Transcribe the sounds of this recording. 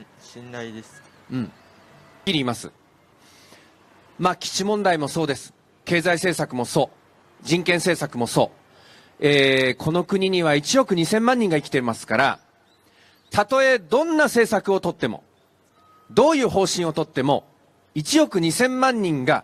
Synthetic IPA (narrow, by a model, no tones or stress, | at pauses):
inaid̪es | ɯ̟̃ɴ | kʲiɾʲiːmasɨ̰ | maːkʲi̥t͡ɕimõ̞nd̪aimo̞so̞ːd̪e̞sɨ̥ | ke̞ːzaise̞ːsakɯ̟mo̞so̞ː | d͡ʑĩŋkẽɰ̃se̞ːsakɯ̟mo̞so̞ː | eːkʰo̞no̞kɯ̟ɲ̟iɲ̟iβ̞ait͡ɕijo̞kɯ̟ɲ̟isẽ̞mːãɲ̟ːĩŋɡaikʲt̪e̞masɨ̥kaɾa̰ | t̪at̪o̞e̞d̪õ̞nːase̞ːsakɯ̟o̞t̪o̞t̪ːe̞mo̞̰ | d̪o̞ːjɯ̟ːɦo̞ːɕĩɰ̃o̞t̪o̞t̪ːe̞mo̞ | it͡ɕijo̞kɯ̟ɲ̟isẽ̞mːãɲ̟ːĩŋɡa